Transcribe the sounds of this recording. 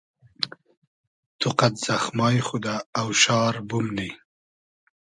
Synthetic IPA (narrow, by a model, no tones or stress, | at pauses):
t̪ʊqat̪z̥axmɑːjxud̪aːwʃɑːɾbʊmni